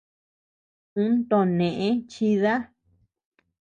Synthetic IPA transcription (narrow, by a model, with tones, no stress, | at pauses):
ũ˦nt̪o˧˨nẽ˨ʔẽ˦t͡ʃi˧ða˦